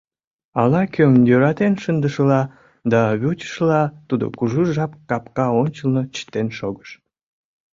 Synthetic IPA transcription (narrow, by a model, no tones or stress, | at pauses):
ɑlɑkøŋjøɾɑt̪enʃənd̪əʃəlɑ | d̪ɑβʲut͡ɕə̥ʃəlɑt̪ud̪o̰kuʒuʒɑpkɑpkɑonʲt͡ɕəlnot͡ɕə̥t̪enʃoɣəʃ